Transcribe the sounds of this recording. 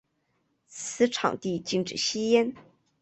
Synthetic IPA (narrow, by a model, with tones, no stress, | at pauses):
t͡sʰɹ̩˧˥ʈ͡ʂʰɑ̰˨˩ŋt̪i˥˧t͡ɕi˥˧ŋʈ͡ʂɻ̩˨˩ɕi˥jɛ˥n